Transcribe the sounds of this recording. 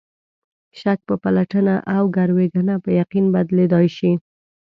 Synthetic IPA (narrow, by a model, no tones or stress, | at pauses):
ʃak̚pəpalaʈənaʔawɡaɾweɡanapəjaqinbad̪led̪ɑjʃi